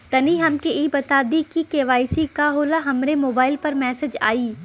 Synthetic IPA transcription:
t̪ɐniɦɐmkeʔiːbɐt̪aːd̪ikikeːʋaːisikaːɦoːlaɦɐmɾemoːbaːɪlpɐɾmɛːsed͡ʒa̰ːiː

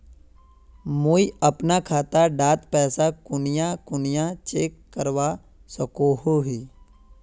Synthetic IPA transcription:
muːiəpnakʰaːt̪aɖaːt̪pɛːsakʊnɪjãkʊnɪjãt͡ʃeːkːəɾwa | səkoɦoɦiː

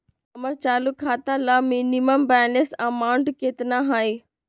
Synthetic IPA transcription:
ɐməɾt͡ɕaːlukʰːaːt̪ãlamiːniməmbaːnesɐmaːʊɳʈkeːt̪naɦaːi

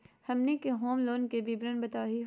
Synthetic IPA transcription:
hɐmnekeɦoːmloːnkebʱibɾənbɐt̪aːɦiɦ

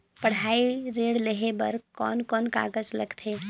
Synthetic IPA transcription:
pəɽ̤aːiɾeːɽleɦebəɾkɔ̰ːnkɔːnka̰ːɡəd͡ʒləɡt̪ʰeː

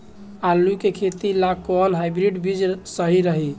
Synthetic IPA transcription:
alːukekʰet̪ilakɔlɦajbɾiɖbid͡ʒsəɦiɾəɦi

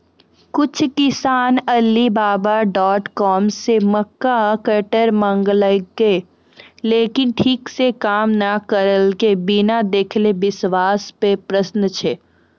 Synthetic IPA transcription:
kʊt͡ʃʰkɪsaːnəlːibaːbaɖɔːʈkɔːmseməkːakəɾʈəɾmə̃ŋɡləɡːe | leːkɪnʈʰiːksekaːmnakəɾəlkebinad̪eːkʰlebɪsʋaːspepɾəsnət͡ʃʰe

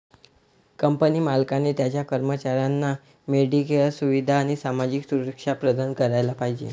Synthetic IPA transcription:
kəmpəniːmalkanet̪jat͡ɕjakəɾmət͡ɕaɾjanːa | meɖikəlsuʋid̪ʱaːɽ̃isamad͡ʑiksuɾəkʂapɾəd̪ankəɾajlapaɦid͡ʑḛ

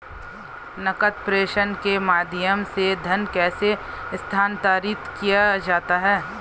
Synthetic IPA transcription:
nɐkət̪̚pɾeːʃənkemaːd̪ʱɪjəmsed̪ʱɐnkɛːsest̪ʰaːnt̪aːɾiːt̪kijad͡ʒaːt̪aɦɛː

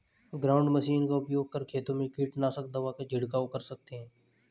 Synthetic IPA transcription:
ɡɾaːʊɳɖməsiːnkaːʊpjoːɡ̚kəɾkʰeːt̪õːmẽkiːʈnaːsək̚d̪aːʋaːked͡ʒʱɪɽkaːokəɾsək̚t̪eɦɛ̃ː

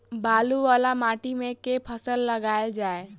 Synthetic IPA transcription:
baːluʋaːlamaːʈimẽkepʰəsəlːɐɡaːjd͡ʒaːe

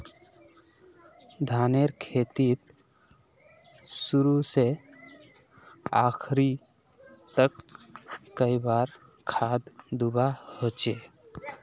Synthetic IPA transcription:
d̪ʱaneɾkʰet̪it̪ | suɾuse | a̰kʰɾi | t̪əkː | əibaɾ | kʰad̪d̪ubahot͡ʃe

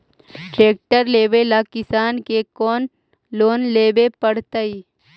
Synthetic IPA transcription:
ʈɾeːk̚ʈəɾleːʋelakɪsaːnkekɔːn | loːnleːbepəɽ̤t̪aiː

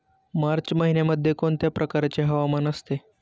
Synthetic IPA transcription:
maɾt͡ɕməɦineməd̪ʱːjekoɳt̪japɾʔəkaɾat͡ɕeɦəʋamanəst̪e

